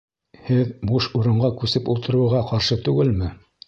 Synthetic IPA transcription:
hɘðmuʃuɾɤ̆ɴɢɑkʉsɘpulˠt̪ɤ̆ɾɤ̆ʁɑqɑɾʃɤt̪ʉɡɘlmɘ

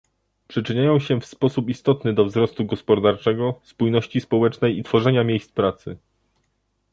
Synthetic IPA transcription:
pʂɘt͡ʂɘɲajɔ̃w̃ɕɛfspɔsupist̪ɔt̪nɘd̪ɔvzɾɔst̪uɡɔspɔd̪aɾt͡ʂɛɡɔspujnɔɕt͡ɕispɔwɛt͡ʂnɛjit̪fɔʐɛɲamʲjejst̪spɾat̪sɘ̰

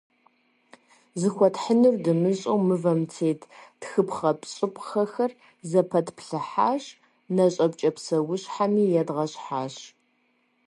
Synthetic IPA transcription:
zɨxʷɔtħənɨrdɨmɨɕʼowmɨvɐmt͡sʰeːtʰtxɨpχɐpʼɕʼɪpʼχɐxɐr | zɐpʰɐtʰpʰɬɨħaːɕ | nɐɕʼɐpt͡ʃʼɐpsɐwʊɕħamiːjɛdʁɐɕʼħaːɕ

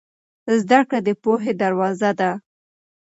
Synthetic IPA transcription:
zd̪akɽad̪əpoɦed̪aɾwɑzad̪a

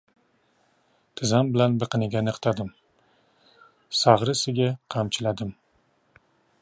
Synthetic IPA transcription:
t̪ʰɪzambɪlanbɨqɨnɪɡʲanɨqʰt̪ʰad̪ɪm | sɑʁɾɨsɪɡʲaqʰɑmt͡ʃʰɪlad̪ɪm

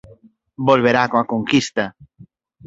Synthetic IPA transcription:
bolβeɾakoakoŋkist̪ɐ

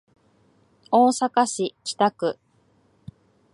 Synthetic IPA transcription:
oːsakaɕit͡ɕi̥t̪akɯ̟

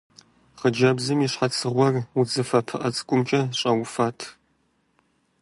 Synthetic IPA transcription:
χəd͡ʒɐbzɨmiɕħat͡sʰɨʁʷɔrud͡zɨfɐpʰɨʔɐt͡sʼɨ̥kʷʼʊmt͡ʃʼɐɕʼɐwʊfaːtʰ

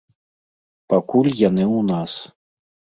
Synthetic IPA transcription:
pakulʲjanɨwnas

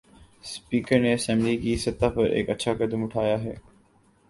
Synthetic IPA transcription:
spiːkəɾneɐsɛ̃ːmblikisɐt̪ːapɐɾʔḛːkɐtːʃʰakɐd̪əmʊʈʰaːjaɦɛː

